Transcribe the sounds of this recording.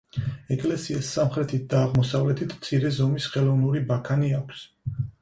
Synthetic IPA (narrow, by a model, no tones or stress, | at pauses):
ɛkʼlɛsiasːamχɾɛt̪ʰit̪̚d̪aːʁmɔsavlɛt̪ʰit̪ʰmt̪sʰiɾɛzɔmisχɛlˠɔvnuɾibakʰaniakʷʰs